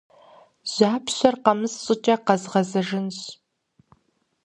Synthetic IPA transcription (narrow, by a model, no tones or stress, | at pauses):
zaːpʰɕʷɐrqɐmɨssʼʊt͡ʃʼɐqɐzʁɐzɐʒɪnɕ